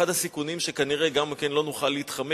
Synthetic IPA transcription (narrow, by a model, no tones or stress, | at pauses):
adhasikunimʃe̞kaniʁeɡamkenlo̞nuχalːeit̪χame